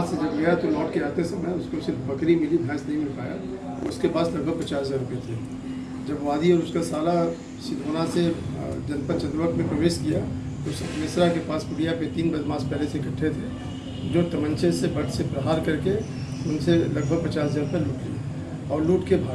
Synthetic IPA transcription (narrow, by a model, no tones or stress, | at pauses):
sed͡ʒɐbɡɐjat̪olɔːʈkeaːt̪esɐməʊskosɪɾbɐkɾimɪlid̪ʱjãːsnɐɦĩmɪlka̰ːja̰ | ʊskepaːslɐɡ̚bʱəɡ̚pɐt͡ʃaːsd͡ʒaːɾʊpet̪ʰeː | d͡ʒɐbʋaːd̪iɔːɾʊskasaːla | sɪd̪ʱoːnased͡ʒɐnpəɾt͡ʃɐ̃nd̪ɾʋəkmẽpɾəʋeːʃkijat̪oʊsɐt̪meːsɾakepaːspʊɽijaket̪iːnbɐd̪mãːspɛɦlesekɐʈʰːet̪ʰe | d͡ʒoːt̪ɐmə̃nt͡ʃesebɐʈsepɾɐɦaːɾkɐɾke | ʊnselɐɡ̚bʱəɡ̚pɐt͡ʃaːsd͡ʒaːɾʊpeluːʈia | ɔːɾluːʈkebʱ